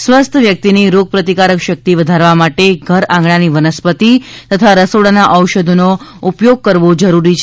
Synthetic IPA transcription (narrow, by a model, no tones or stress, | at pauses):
sʋəst̪ʰəʋjək̚t̪iniɾoɡ̚pɾət̪ikaɾəkʃək̚t̪iʋəd̪ʱaɾʋamaʈeɡʱəɾãŋɡɳaniʋənəspət̪it̪ət̪ʰaɾəsoɽanaʔəwʃəd̪ʱonoupjoɡ̚kəɾʋod͡ʒəɾuɾit͡ʃʰ